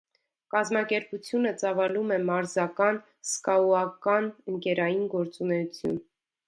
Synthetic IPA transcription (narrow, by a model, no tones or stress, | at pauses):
kɑzmɑkɛɾput͡sʰjunət͡sɑvɑlumɛmɑɾzɑkɑn | skɑuɑkɑnəŋkɛɾɑjinɡɔɾt͡sunɛut͡sʰjṵn